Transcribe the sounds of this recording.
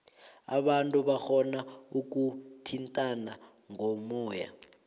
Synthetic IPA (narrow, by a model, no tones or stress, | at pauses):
a̰ɓantʼuɓaxɔnauk̬utʰintʼana | ŋʱɔmɔːja̰